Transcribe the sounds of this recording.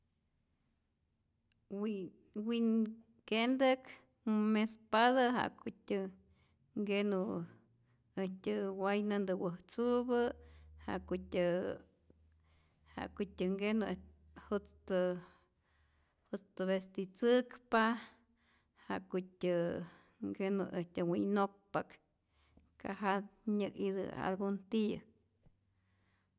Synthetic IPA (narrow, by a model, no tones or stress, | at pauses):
wi | wiŋ | kend̪ək | mespaðaɦa̰ʔkutʲɨ | ŋɡenu | etʲɨwajnand̪ɨwəht͡suβəha̰ʔkutʲɨ | ha̰ʔkutʲɨŋɡenu | hut͡st̪ɨ | hut͡st̪ɨβest̪it͡sɨkpa | haʔkutʲɨ | ŋɡenuʔet̪ʲɨwinok̚pak | ka̰ɦaɲɨkid̪ɨ̰a̰d̪ɡunt̪ijɨ̰